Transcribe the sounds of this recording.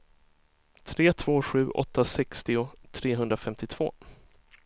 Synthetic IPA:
t̪ʰɾeːt̪ʰv̥oːɧʉ̟ːʔɔ̰t̪ːasɛkst̪ɪʊt̪ʰɾeːɦɵnd̪ɾafɛmt̪ɪt̪ʰv̥o̰ː

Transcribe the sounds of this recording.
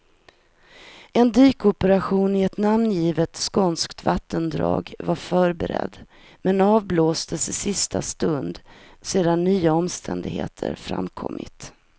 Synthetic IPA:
ʔɛnd̪yːkɔpəɾaɧuːnɪɛt̪namnjiːvət̪skɔnskt̪vat̪ʰːənd̪ɾɑ̰ːɡvaɾfœːɾbɛɾɛ̰d̪ː | mɛnɑːvbloːst̪əsɪsɪst̪ʰast̪ɵnd̪seːd̪anːyːaɔmst̪ʰɛnd̪ɪɡhḛːt̪ʰə̰ɾfɾa̰mkʰɔ̰mːɪ̰t̪

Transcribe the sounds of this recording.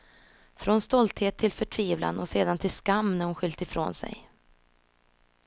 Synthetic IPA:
fɾɔnst̪ɔlt̪heːt̪ʰːɪlfœʈʰviːvla̰nɔseːd̪ant̪ʰɪlskamːnæhʊnɧʏlt̪ɪfɾo̰ːnsɛ̰j

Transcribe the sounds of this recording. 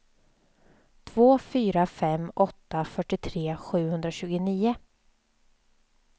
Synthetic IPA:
t̪ʰvoːfyːɾafɛmɔt̪ːafœʈːɪt̪ʰɾeːɧʉ̟ːhɵnd̪ɾaɕʉ̟ːɡʊniːʊ

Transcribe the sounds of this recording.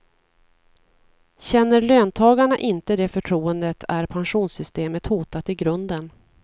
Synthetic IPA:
ɕɛnːəɾløːnt̪ʰɑːɡaɳaʔɪnt̪əd̪ɛfœʈʰɾuːənd̪ət̪ʰæɾpʰanɧuːnsʏst̪eːmət̪huːt̪at̪ɪɡɾɵnd̪ən

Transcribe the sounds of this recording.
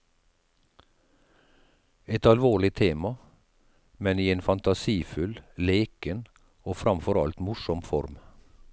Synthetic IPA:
ɛt̪ɑlʋoːɭɪt̪ʰeːmɑ | mɛniːeːnfɑnt̪ɑsiːfʉlleːkən | oːfɾɑmfɔɾɑ̰lt̪mʊʃɔmfɔ̰ɾm

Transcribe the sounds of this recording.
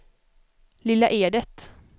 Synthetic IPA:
lɪlːaʔeːɖ̪ət̪

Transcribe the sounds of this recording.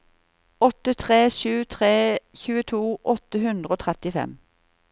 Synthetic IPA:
ɔt̪ət̪ʰʁeːʃʉːt̪ʰʁeːçʉːət̪ʰuːʔɔt̪əhʉnd̪ʁəoːt̪ʰʁɛt̪ɪfɛ̰m

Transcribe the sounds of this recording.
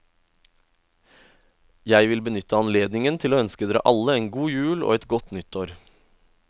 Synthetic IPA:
jæɪʋɪlbənʏt̪əɑnleːd̪nɪŋənt̪ʰɪloːœnskəd̪eːɾə̰ʔɑləeːnɡuːjʉːlo̰ːɛt̪ɡɔt̪nʏt̪ʰoːɾ

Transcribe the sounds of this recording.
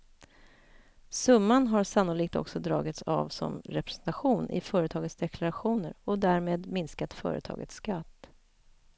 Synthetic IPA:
sɵmːanɦaɾsanːʊliːk̚t̪ɔ̰ksɔd̪ɾɑ̰ːɡɪt̪sa̰vsɔ̰mɾɛpɾɛsɛnt̪aɧuːnʔɪ̰fœːɾət̪ʰɑːɡət̪sd̪ɛkʰlaɾaɧuːnəɾɔd̪æɾmeːd̪mɪnskat̪fœ̰ːɾə̰t̪ʰɑ̰ːɡə̰t̪sːkat̪ː

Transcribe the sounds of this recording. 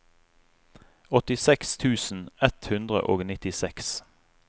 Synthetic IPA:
ɔt̪ɪsɛkst̪ʰʉːsn̩ɛt̪hʉnd̪ʁə̰ʔoːɡnɪt̪ɪsɛks

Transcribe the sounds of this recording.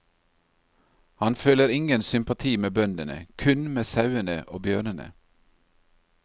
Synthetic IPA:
hɑnføːləɾɪŋənsʏmpɑt̪ʰiːmeːbœnd̪ənə̰kʰʉnmeːsɑʉənəʔoːbjøːɳənə̰

